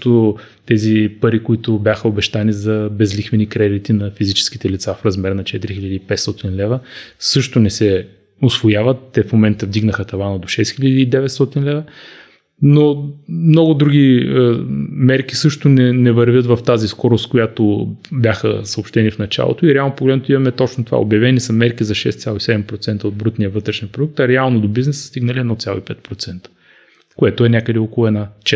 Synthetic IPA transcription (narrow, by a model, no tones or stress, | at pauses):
t̪o | t̪ɛzipɐɾikʊit̪ʊbʲjaxəobɛʃt̪anizɐbɛzlixvɛnikɾɛd̪it̪inɐfizit͡ʃɛ̥ski̥t̪ɛlit̪safɾɐzmɛɾnɐt͡ʃɛt̪iɾixilʲəd̪iːpɛt̪st̪ɔt̪inlɛvəsɤʃt̪ʊnɛsɛ | ʊsvojavət̪ːɛfmomɛnt̪əvd̪iɡnəxət̪ɐvanəd̪oʃɛsxilʎəd̪iːd̪ɛvɛt̪st̪ɔt̪inlɛvə | nomnɔɡʊd̪ɾuɡʲiəmɛɾkʲisɤʃt̪ʊnɛnɛvɐɾvʲjət̪vɐft̪aziskɔɾʊskojat̪obʲjaxə̰səoːpʃt̪ɛnifnɐt͡ʃa̰lˠo̰t̪oiɾɛalˠnopoɡlɛd̪not̪ʊimɐmɛt̪ɔt͡ʃnot̪ova̰o̰bʲjɐvɛnisɐmɛɾkizɐʃɛst̪sʲjalˠoisɛd̪ɛmpɾot̪sɛnt̪əod̪̚bɾut̪nijəvɤt̪ɾɛʃnʲipɾod̪uk̚t̪ɐɾɛalˠnod̪obiznɛsst̪iɡnəliɛd̪nɔt̪sʲjalˠo̰ipɛt̪pɾot̪sɛnt̪ə̥ | koɛt̪ʊɛnʲjakəd̪ɛɔkolˠʊɛd̪at͡ʃɛ